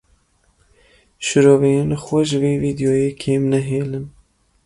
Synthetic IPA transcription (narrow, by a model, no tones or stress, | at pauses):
ʃɨɾoːvɛjeːnxwɛʒɪveːviːd̪joːjeːkʰeːmnɛɦeːlɨm